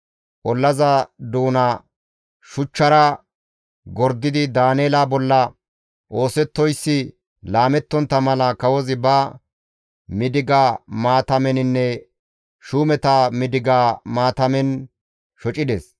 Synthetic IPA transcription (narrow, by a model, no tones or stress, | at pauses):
ʔɔlːɐzɐd̪uːnɐ | ʃʊt͡ʃːɐɾɐ | ɡɔɾd̪ɪd̪ɪd̪aːneːlabɔlːɐ | ʔo̞ːsɛt̪ːɔjsːɪ | laːmɛt̪ːɔnt̪ːɐmɐlɐkɐwɔzɪbɐ | mɪd̪ɪɡaːmaːt̪ɐmɛnɪnːɛ | ʃuːmɛt̪amɪd̪ɪɡaːmaːt̪ɐmɛn | ʃɔt͡ʃʼɪd̪ɛs